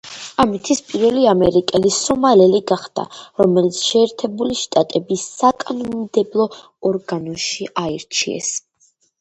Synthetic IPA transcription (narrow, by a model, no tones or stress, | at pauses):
amit̪ʰispʼiɾvɛliamɛɾikʼɛlisɔmalɛliɡaχd̪̥a̰ɾɔmɛlit̪sʰʃɛːɾt̪ʰɛbuliʃt̪ʼat̪ʼɛbisːakʼanɔmmd̪ɛblˠɔ | ɔɾɡanɔʃiʔaiɾt͡ʃʰḭɛ̰s